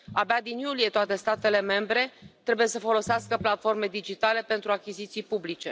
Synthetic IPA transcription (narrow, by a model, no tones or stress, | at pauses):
abad̪injulie̞t̪oat̪e̞st̪at̪e̞le̞me̞mbɾe̞t̪ɾe̞buje̞səfo̞lo̞seaskəplat̪fo̞rme̞d̪id͡ʒit̪ale̞pe̞nt̪ɾuakʲizit̪sijpublit͡ʃe̞